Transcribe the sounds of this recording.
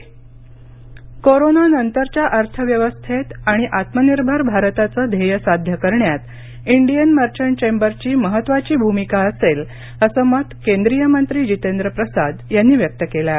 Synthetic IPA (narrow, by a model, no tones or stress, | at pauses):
koɾonanənt̪əɾt͡ɕjaʔəɾt̪ʰəʋjəʋəst̪ʰet̪aɽ̃iʔat̪məniɾbʱəɾbʱaɾt̪at͡səːd̪ʱejəsad̪ʱjəkəɾɳjat̪ | iɳɖijənmaɾt͡ɕəɳt͡ɕembəɾt͡ɕiːməɦət̪ːʋat͡ɕiːbʱumikaəsel | əsəmət̪kend̪ɾijəmənt̪ɾiːd͡ʑit̪end̪ɾəpɾəsad̪janːiːʋjək̚t̪əkela